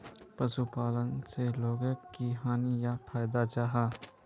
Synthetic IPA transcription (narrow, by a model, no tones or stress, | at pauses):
pɐsupaːlənseloːɡəkːiɦaːnijafʰaːjɪd̪at͡ʃaːɦaː